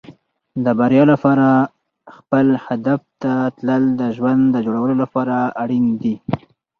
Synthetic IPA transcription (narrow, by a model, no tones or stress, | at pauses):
d̪əbaɾjɑlapɑɾa | xpəlhad̪aft̪at̪ləld̪əʒwand̪d̪əd͡ʒoɽawəlolapɑɾaaɽind̪i